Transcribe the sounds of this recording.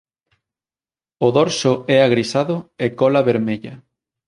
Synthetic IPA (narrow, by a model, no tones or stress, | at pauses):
oðɔɾsʊɛaɣɾisaðʊekɔlaβeɾmeʎɐ